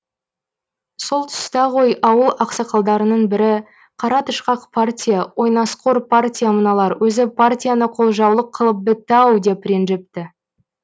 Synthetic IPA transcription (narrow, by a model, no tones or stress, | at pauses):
so̞lˠt̪ʰʏ̥st̪ɑʁo̞jʔɑwəlˠɑqsɑqɑlˠd̪ɑɾənəɴbɪɾɪ | qʰɑɾɑt̪əʃqɑqpʰartʲijawo̞jnɑsqʰo̞ɾpʰartʲijamənɑlˠɑɾwɵzɪpʰartʲijanəqʰo̞lˠʒɑwlˠəqʰːəlˠəp̚bɪt̪ːɑwd̪epɾenʒep̚t̪ɪ